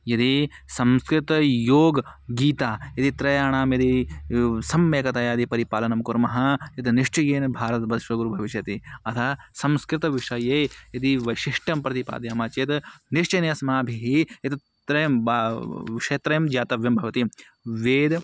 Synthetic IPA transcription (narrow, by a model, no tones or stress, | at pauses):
jɐt̪isɐmskɾɪt̪ɐjoːɡɡiːt̪aːjɐt̪it̪ɾɐjaːɳaːmjɐt̪i | sɐmːeːkɐt̪ɐjaːd̪ipɐɾipaːlɐnɐmkuɾmɐɦɐjɐt̪niʂt͡ʃɐjeːnbʱaːɾɐt̪bɐd̪ʃʋɐɡuɾubʱɐʋiʃjɐt̪iɐt̪ʰɐsɐmskɾɪt̪ɐʋiʂɐjeːjɐt̪iʋɐjʃiʂʈɐmpɾɐt̪ipa̰ːd̪jaːmaːt͡ʃeːt̪niʂt͡ʃɐnesɐmaːbʱiɦijɐt̪i | t̪ɾɐjɐmbʋiʂɐɐt̪ɾɐjɐmd͡ʒaːt̪ɐʋjɐmbʱɐʋɐt̪i | ʋeːd̪